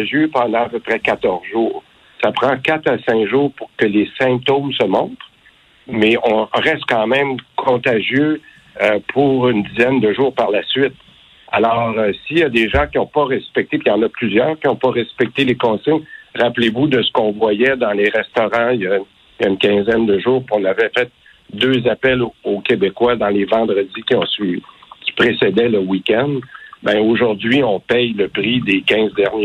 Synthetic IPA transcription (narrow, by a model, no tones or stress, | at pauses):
aʒjøpɑ̃d̪ɑ̃apøpʁɛkat̪ɔʁzʒuːʁ | sapχɑ̃kat̪asɛ̃kʒuːʁpuʁkəlesɛ̃p̚t̪omsəmɔ̃t̪χ | mɛɔ̃ʁɛst̪̚kɑ̃mɛ̃mkʰɔ̃t̪aʒjø | øpʰuʁynd̪izɛnd̪əʒuːʁpaʁlasɥɪt̪̚ | a̰lɔːʁsijad̪eʒɑ̃kʲiɔ̃pʌʁɛspɛk̚t̪epijɑ̃nʌplyzjœːʁkʲiɔ̃pʌʁɛspɛk̚t̪elekɔ̃sɪɲʁaplevud̪əsə̥kɔ̃vwajɛd̪ɑ̃leʁɛst̪ɔʁɑ̃ja | ja̰ynkʲɛ̃zɛnd̪əʒuːʁpɔ̃navɛfɛt̪̚ | d̪øzapɛlokʲebekwad̪ɑ̃levɑ̃d̪ʁəd͡zikʲiɔ̃sɥikʲi̥pʁesed̪ɛləwikʲɛ̃nd̪bɛ̃oʒʊʁd̪zɥiɔ̃pɛjləpʁid̪ekʲɛ̃zd̪ɛʁn